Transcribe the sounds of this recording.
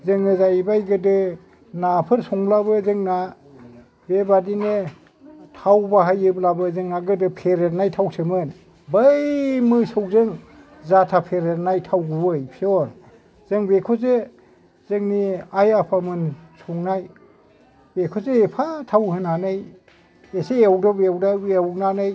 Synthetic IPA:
zɯŋɯzajbajɡɯdɯ | napʰɯɾsɔŋblabɯzɯŋna | bebadine | tʰawbaɦajɯblabɯzɯŋnaɡɯdɯpʰeɾet̚najtʰawsʰɯmɯn | bajmɯsɯwzɯŋ | zatʰapʰeɾet̚najtʰawɡubɯjpʰiɔn | z̥ɯŋbekʰɔze | z̥ɯŋniajapʰamɯnsʰɔŋnaj | bekʰɔzeepʰatʰawhɯnanɯj | eseawdabeawdaewnanɯj

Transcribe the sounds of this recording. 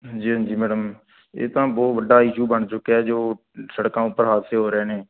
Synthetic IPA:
d͡ʒiːɦə̃d͡ʒiːmɛːɽəm | ḛːt̪ãːbɔːt̪ʋəɖaːɪʃuːbəɳt͡ʃʊkːeɛːd͡ʒoː | səɽkãːʊpːəɾɦaːt̪seːɦoːɾeːneː

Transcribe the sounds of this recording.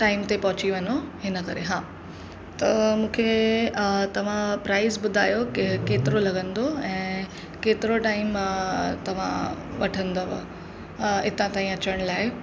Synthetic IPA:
ʈaːɪmt̪epɐɦʊt͡ɕiʋɐɲoɦɪnəkɐɾḛɦãː | t̪ɐmũːkʰe | t̪ɐʋ̤ãpɾaːɪzbʊd̪ʱaːjokeːt̪ɪɾolɐɡə̃nd̪oɛ̃ː | keːt̪ɪɾoʈaːɪmt̪ɐʋ̤ã̰ʋɐ̰ʈʰə̃nd̪o̰ | ɪt̪ãt̪aːĩɐt͡ɕəɽ̃laːe

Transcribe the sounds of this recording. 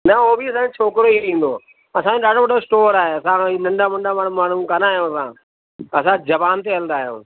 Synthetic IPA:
nɐobiɐsãet͡ʃʰoːkɾoiɾĩːn̆d̪oː | ɐsãɗaːɖɽoʋɐɗosʈoːɾaːɦeɐsãinɐ̃ɳɖaːmɐ̃ɳɖamaːɳ̤ũmaːɳ̤ũkanaːɦijõːɐsãː | ɐsãd͡ʑɐʋaːnt̪̬eɦɐlənd̪aːɦijõ̰ː

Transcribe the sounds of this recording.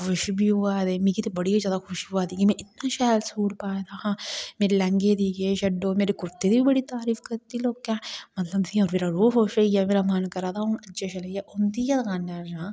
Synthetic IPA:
kʊʃbʱiʊaːd̪emĩkit̪ebɐɽiazjaːd̪akʰʊʃuaːd̪iɡimɛ̃ʔɪt̪̚naʃaːlsuːɾpaːed̪aːhãːmeːɾelɐ̃ŋɡed̪iɡeʃɐɖoːmeːɾekʊɾt̪ːed̪ibʱibəɽit̪aːɾiːfkɐɾt̪iloːkːãmɐt̪ləbt̪ʰiɔːɾmeːɾaɾuːɦoːʃɾɐijameːɾamɐnkɐɾaːd̪aʊnɐt͡ʃaʃɐlɐijaʔʊnt̪ijat̪ɐkaːnːaã

